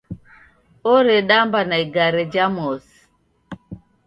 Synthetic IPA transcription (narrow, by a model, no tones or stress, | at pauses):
oɾeɗambanaiɡaɾed͡ʒamos